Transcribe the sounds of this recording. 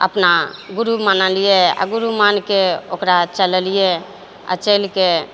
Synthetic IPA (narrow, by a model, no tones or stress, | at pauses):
ə̰pnaɡuɾumanəlijea̰ɡuɾumankeokɾat͡ʃələlije | a̰t͡ʃelke